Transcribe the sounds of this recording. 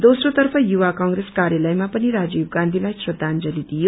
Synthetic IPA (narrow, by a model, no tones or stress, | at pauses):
d̪osrot̪ʌrpʰʌjuwakʌŋreskaɾjalʌjmapʌniɾad͡zibɡãnd̪ʱilajsrʌd̪ʱand͡zʌlid̪ijo